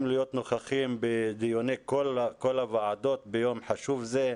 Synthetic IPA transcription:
mlijot̪noχaχimbed̪ijonekolkolavaʕad̪o̞t̪bejo̞mħaʃuvze

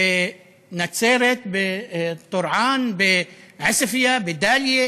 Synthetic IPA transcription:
nat̪seːɾɪt̪bɪt̪ˤːʊɾʕɑːnbɪʕasafɪjabɪd̪aːlje

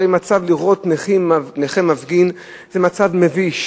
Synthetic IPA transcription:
imat͡savliʁo̞tneχimneχemavɡin | zemat͡savme̞viʃ

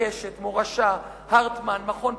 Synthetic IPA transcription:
eʃet̪moʁaʃa | haʁt̪manmaχo̞n

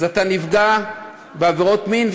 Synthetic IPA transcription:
zat̪anivɡa | beaveʁo̞tmin

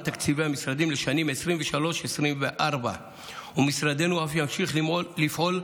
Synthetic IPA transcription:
t̪akt͡siveamisʁad̪imleʃanimesʁimveʃalo̞ʃesʁimveʔaʁba̰ | umisʁad̪e̞nuafjamʃiχlifʔo̞l

